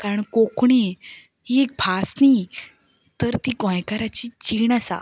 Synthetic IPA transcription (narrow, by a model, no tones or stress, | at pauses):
kaɾəɳkokɳi | ɦiek̚bʱasni | t̪əɾt̪ikɔ̃jkaɾat͡ɕit͡ɕiɳasa̰